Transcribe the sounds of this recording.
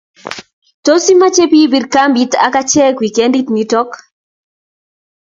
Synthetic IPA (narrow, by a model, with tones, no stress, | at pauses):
to˦si˦ma˦t͡ʃe˦pi˦bi˨rka˦mbi˦ta̰˦ka˦t͡ʃɛ˦kwi˨ke˦ndi˦tni˦tɔ˦k